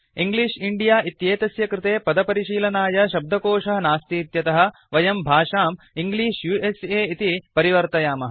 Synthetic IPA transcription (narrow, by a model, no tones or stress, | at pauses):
iŋɡliːʂiɳɖijaːʔit̪jeːt̪ɐsjɐkɾɪt̪eːpɐd̪ɐpɐɾiʃiːlɐnaːjɐʃɐb̚d̪ʱɐkoːʂɐɦɐnaːst̪iːt̪jɐt̪ɐɦɐ̆ | ʋɐjɐmbʱaːʂaːm | iŋɡliːʂjuːʔeseːit̪ipɐɾiʋɐɾt̪ɐjaːmɐɦɐ